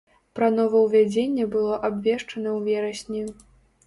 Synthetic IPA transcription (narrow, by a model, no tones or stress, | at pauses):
pɾɐnɔvɐwvʲad͡zʲenʲːɛbɨlˠɔʔabvʲɛʂt͡ʂɐnɐwvʲɛɾɐsʲnʲij